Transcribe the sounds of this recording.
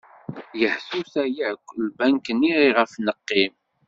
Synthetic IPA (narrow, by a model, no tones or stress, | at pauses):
jəħθuθæjæʕkʷːlbæŋkənːiʁiʁəfnəqːim